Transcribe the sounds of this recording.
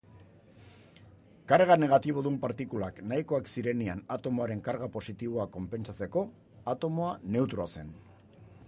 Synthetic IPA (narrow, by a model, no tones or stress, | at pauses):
kaɾɣane̞ɣ̞at̪iβ̞o̞ðumpaɾt̪ikulaknaiko̞aksiɾe̞nianat̪o̞moaɾe̞ŋkaɾɣapo̞sit̪iβ̞o̞ako̞mpe̞nt͡sat͡se̞ko̞ | at̪o̞moane̞wt̪ɾoase̞n